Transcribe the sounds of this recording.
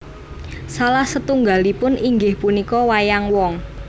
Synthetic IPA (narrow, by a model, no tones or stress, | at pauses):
salahsət̪uŋɡalipʊnʔiŋɡɪhpunikɔwajaŋwɔŋ